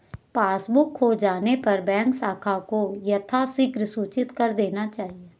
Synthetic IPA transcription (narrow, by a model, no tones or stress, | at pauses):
paːsbʊkɦod͡ʒaːnepɐɾbɛ̃ːŋksaːkʰakojɐt̪ʰasɪɡɾəsuːt͡ʃɪt̪kɐɾd̪eːnat͡ʃaːɦie